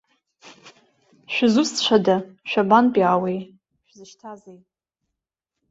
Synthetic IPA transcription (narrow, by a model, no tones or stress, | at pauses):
ʃᶣzust͡ʃʷʰadaʃᶣabanpʼiawej | ʃᶣzɨʃtʰazejtʼ